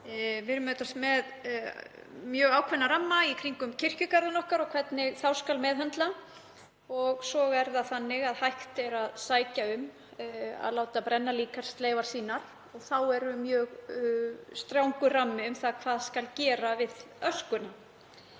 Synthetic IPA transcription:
vɪɾmœːt̪ast̪mɛð | mjœːɣaːwkʰvɛnːaɾamːaikʰɾiŋkʏmcʰɪr̥cʏkaɾðʏnɔhkaɾɔkʰv̥ɛt̪nɪɣθawskalmɛːðɦɛnt̪la | ɔɣsɔːɣɛɾðaθanːɪɣaðhajht̪ɛɾaðsaːjcaʏm | a̰ðlaːwt̪apɾɛnːaliːkaɾ̥st̪leːjvaɾ̥siːnaɾ̥ | ɔɣθawɛɾʏmjœːɣ | st̪ɾjawŋkʏramːɪʏmθaðkʰv̥aːðskalcɛːɾavɪðœskʏna

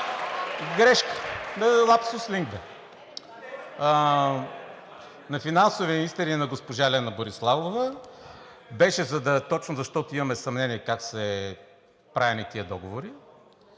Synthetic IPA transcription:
ɡɾɛʃkə̥nɐlˠapsosliŋɡbɛ | nɐfinansoviminist̪ɛɾinɐɡospoʒalɛnɐboɾislˠavovɐ | bɛʃɛzɐd̪ɐt̪ɔt͡ʃnozɐʃt̪ɔt̪ʊimɐmɛsɐmnɛniɛkaksɛ | pɾavʲɛnit̪iəd̪ɔɡovoɾi

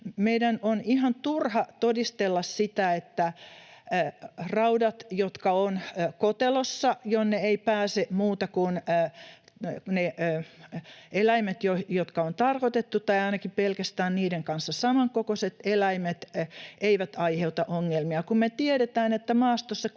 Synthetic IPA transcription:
meidænonihɑnt̪urhɑt̪odist̪elːɑssit̪æet̪ːæ | rɑudɑt̪jot̪kɑonkot̪elosːɑjonːeeipæːsemuːt̪ɑkunː | ne | elæimet̪jojot̪kɑont̪ɑrkot̪et̪ːut̪ɑiɑinɑkipelkæst̪æːnniːdeŋkɑnsːɑsɑmɑŋkokoset̪elæimet̪eiʋæt̪ɑiheut̪ɑʔoŋːelmiɑkummet̪ieɾet̪æːnet̪ːæmɑːst̪osːɑ

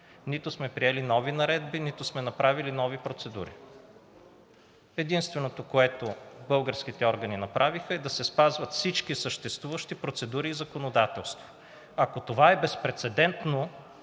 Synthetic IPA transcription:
nit̪osmɛpɾiɛlinɔvinɐɾɛd̪binit̪osmɛnɐpɾavilinɔvipɾot̪sɛd̪ṵɾḭ | ɛd̪inst̪vɛnot̪okoɛt̪obɤlˠɡəɾskit̪ɛɔɾɡəninɐpɾʔavixəɛd̪ɐsɛspazvɐt̪fsit͡ʃkisəʃt̪ɛst̪vuvəʃt̪ipɾot̪sɛd̪uɾiːzɐkonod̪at̪ɛlˠst̪vo̥ | ɐkot̪ovaɛbɛspɾɛt̪sɛd̪ɛnt̪no

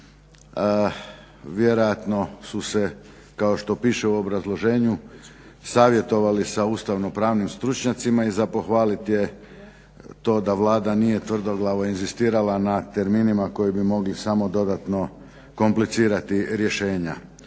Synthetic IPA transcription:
ʋje̞ɾo̞jat̪no̞suse̞ | kao̞ʃt̪o̞piːʃe̞uo̞bɾazlˠo̞ʒe̞ːɲu | saːʋje̞t̪o̞ʋalisauːst̪aʋno̞pɾaːʋnimst̪ɾut͡ʃɲat̪simaizapo̞xʋaːlit̪je̞ | t̪o̞ːd̪aʋlˠaːd̪anije̞t̪ʋr̩d̪o̞ɡlˠaʋoinzist̪iːɾalanat̪e̞ɾminimako̞jibimo̞ɡlisamo̞d̪o̞d̪at̪no̞ | ko̞mplit̪siːɾat̪iɾje̞ʃe̞ːɲa̰

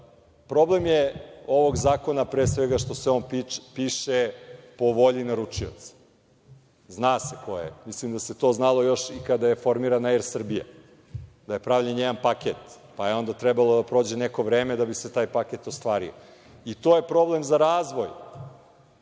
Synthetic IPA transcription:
pɾo̞blemjeo̞ʋo̞ɡzaːko̞napɾeːsʋeɡaʃt̪o̞seo̞nppiːʃepo̞ʋo̞ʎinaɾut͡ʂio̰t̪sḁ | znaːsekojḛmislimd̪aset̪o̞znalˠo̞jo̞ʃikad̪ajefo̞ɾmiːɾanaɛɾsr̩bija̰ | d̪aje̞pɾaʋʎenjeɡanpaket̪ | paje̞o̞nd̪at̪ɾɛbalˠod̪apɾo̞ːd͡ʑeneko̞ʋɾeːmed̪abiset̪aːjpaket̪ost̪ʋaːɾḭo̰ | it̪o̞ːje̞pɾo̞ble̞mzaɾaːzʋo̞j

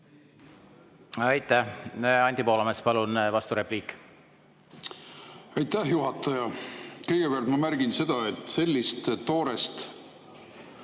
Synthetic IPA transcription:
ɑjt̪ˑːæhɑnʲt̪ʲipo̞ːlɑmespɑlunvɑst̪uɾe̞pliːkːˑ | ɑjt̪ːæhjuɦɑt̪ːˑɑjɑkɤjɡ̥epeælt̪mɑmærɡ̥inse̞d̪̥ɑet̪ːse̞lʲːist̪t̪ːo̞ːɾest̪

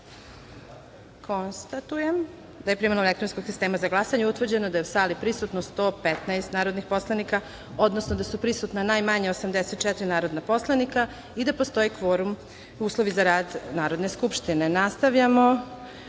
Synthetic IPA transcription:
kʰo̞nst̪at̪ujem | d̪aje̞pɾimalomekt̪ɾonsko̞ɡsist̪e̞ːmazaɡlˠasaɲeut̪ʋr̩d͡ʑe̞nod̪ajeusaːlipɾisut̪nost̪o̞ːpet̪naest̪naːɾod̪nixpo̞slˠanika | o̞d̪nosnod̪asupɾisut̪nanajmaɲeosamd̪eset̪̚t͡ʃɛt̪ɾinaːɾo̞d̪napo̞slˠanika | id̪apo̞st̪o̞jikʋoɾum | uːslˠo̞ʋizaɾaːd̪naːɾo̞d̪neskupʃt̪inenast̪aʋʎamo̞

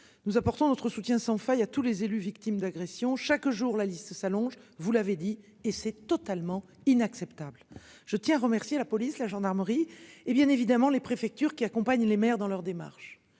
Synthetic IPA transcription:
nuzapɔʁt̪ɔ̃nɔt̪χəsut̪jɛ̃sɑ̃fœjat̪ulezelyvikt̪imd̪aɡʁesjɔ̃ʃakʒuʁlalist̪əsalɔ̃ʒvulaved̪i | esɛt̪ɔt̪almɑ̃ | inaksɛpt̪ablʒ̥ət̪jɛ̃aʁəmɛʁsjelapɔlislaʒɑ̃d̪aʁməʁiebjɛ̃nevid̪amɑ̃lepχefɛk̚t̪yʁkʲiakɔ̃paɲlemɛʁd̪ɑ̃lœʁd̪ema̰ʁʃ

